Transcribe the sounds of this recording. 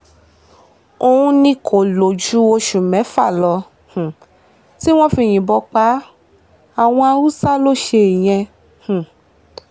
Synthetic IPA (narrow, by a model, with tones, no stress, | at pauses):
o˧ũ˧nĩ˧kʰo˨lo˨d͡ʒu˨˦o˧ʃu˨mɛ̃˨˦fa˦˨lɔ˧ | h̩˨ | ti˦w̃ɔ̃˦fi˧˨j̃ĩ˨bɔ˧k͡pa˨˦ | a˨w̃ɔ̃˧a˧ɾu˦sa˦lo˦ʃe˧˨j̃ɛ̃˧ | h̩˨